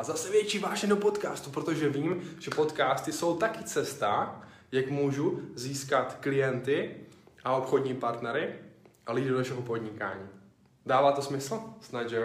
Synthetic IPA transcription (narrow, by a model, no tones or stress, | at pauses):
ʔazasɛvjɛt͡ʃiːvaːʒɛdopo̞t̪kaːst̪upɾot̪o̞ʒɛviːmʒ̥ɛpo̞t̪kaːst̪ɪso̞wt̪akɪt͡sɛst̪a | jakmuːʒuziːskat̪klɪjɛnt̪ɪʔao̞pxodɲiːpaɾt̪nɛɾɪʔalido̞naʃɛɦopo̞d̪ɲɪka̰ːɲiː | daːvaːt̪o̞smɪsl̩snad͡ʒɛ